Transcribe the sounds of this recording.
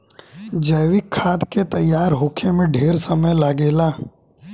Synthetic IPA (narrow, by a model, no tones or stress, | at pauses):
d͡ʒəːʋɪkʰːaːd̪ket̪ɐjːaːɾɦoːkʰemẽɖʱeːɾsəməjlaɡeːlaː